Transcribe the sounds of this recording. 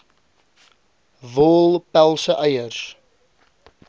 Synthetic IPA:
vɔːlpɛlˠsəʔajəɾs

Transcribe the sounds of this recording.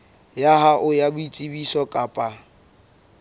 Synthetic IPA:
jaɦaʔʊjabʊit͡sʼibisɔkʼapʼa

